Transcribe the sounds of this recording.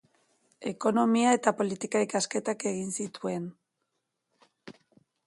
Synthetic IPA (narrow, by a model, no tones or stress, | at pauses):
e̞ko̞no̞miae̞t̪apo̞lit̪ikaikaske̞t̪ake̞ɣinsit̪ue̞n